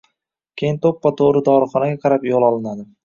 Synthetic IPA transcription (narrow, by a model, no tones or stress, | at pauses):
kʲʰejɪnt̪ʰopːɒt̪ʰoɾɪd̪ɒɾχɒnaɡʲaqʰɑɾapjolˠɒlˠɪnad̪ɪ